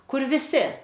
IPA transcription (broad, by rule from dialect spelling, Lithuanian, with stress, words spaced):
ˈkʊr ʋʲɪˈsʲɪ